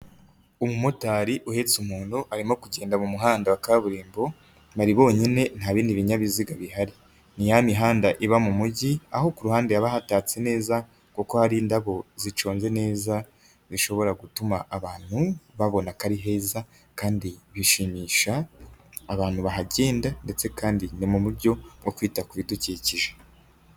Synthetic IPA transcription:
umumotaːɾiʔuhe̞t͡sumuːnuʔaɾimo̞kuɟe̞ːndamumuɦaːndawakaaβuɾeːmbo̞ | βaɾiβo̞ːɲine̞n̥haːβiːndiβiɲaβiziɡaβiɦaɾi | nijamiɦaːndaʔiβamumuɟiaho̞kuɾuhaːndejaβahataːt͡sene̞ːza | kuko̞haɾiːndaβo̞zit͡ʃo̞ːnze̞ne̞ːza | ziʃo̞βo̞ɾaɡutumaʔaβaːn̥huβaβo̞nakaɾiɦe̞ːza | kaːndiβiʃimiːʃaː | βaːn̥huβaɦaɟe̞ːndande̞t͡se̞kaːndinimumuɾɟo̞bɡokwiːtakuβiduciciʒe

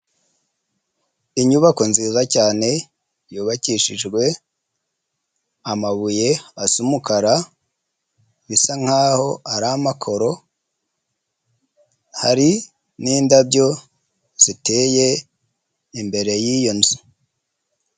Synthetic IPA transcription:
iɲuβakonziːzacaːne̞ | juːβaciʃiʒɡwe̞ | amaβuje̞asumukaɾa | βisaŋ̥haːho̞aɾamakʰo̞ɾo̞ | ha̰ɾi | niːndabjo̞ | z̥ite̞ːje̞ | imbe̞ɾe̞jijonzu̥

